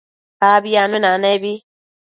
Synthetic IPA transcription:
babijanenanabi

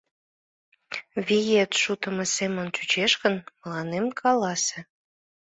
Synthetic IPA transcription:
βijet̪ʃut̪ə̆məsemənt͡ɕut͡ɕeʃkənməlɑnemkʰɑlɑse

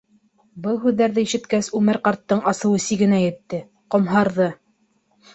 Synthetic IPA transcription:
bɤlˠɦʉðːæɾðɘiʃɘ̆t̪kæsʉmɘɾqɑɾt̪ːɤɴɑsɤ̆wɤsiɡɘ̆næjɘ̆t̪ːɘ | qŏmɦɑɾðɤ

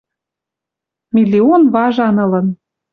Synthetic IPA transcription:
milʲionβɑʒɑnɤ̆lɤ̆n

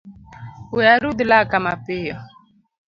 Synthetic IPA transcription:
ujaɾud̪ulakamapɪjɔ

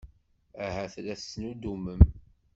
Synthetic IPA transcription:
æɦæθlæθnud̪uməm

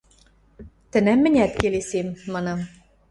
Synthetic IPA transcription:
t̪ɘ̆næmːɘ̆nʲæt̪kelesemːɑnɤm

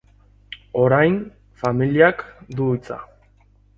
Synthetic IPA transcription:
o̞ɾajn | familiakd̪uit͡sa̰

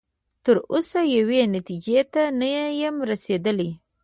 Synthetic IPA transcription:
t̪əɾosajawenat̪id͡ʒet̪anajjamɾased̪əli

